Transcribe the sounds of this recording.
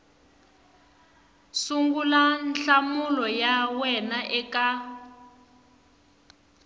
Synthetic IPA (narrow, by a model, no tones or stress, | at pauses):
suŋɡulanɬamulɔjawɛnaʔɛka